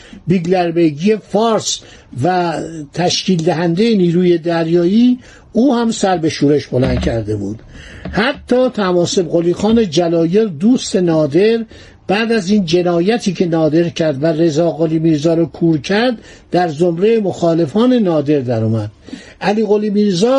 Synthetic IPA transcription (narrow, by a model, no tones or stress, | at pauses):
biɡleɾbeɡije̞fɒːɾs | væt̪ʰæʃciːld̪æɦænd̪e̞jeniːɾuːje̞d̪æɾjɒːiː | uːhæmsæɾbe̞ʃuːɾe̞ʃbo̞lænd̪cʰæɾd̪e̞bṵːd̪̥hæt̪ʰːɒːt̪ʰæmɒːse̞bɣoliːxɒːned͡ʒælɒːje̞ɾd̪uːst̪e̞nɒːd̪e̞ɾ | b̥æːd̪æziːnd͡ʒe̞nɒːjæt̪ʰiːcʰe̞nɒːd̪e̞ɾcʰæɾd̪være̞zɒːɣoliːmiːɾzɒːɾɔːkʰuːɾcʰæɾd̪d̪æɾzomɾe̞jemoxɒːle̞fɒːne̞nɒːd̪e̞ɾd̪æɾɔːmæd̪̥̚ʔæliːɣoliːmiːɾzɒː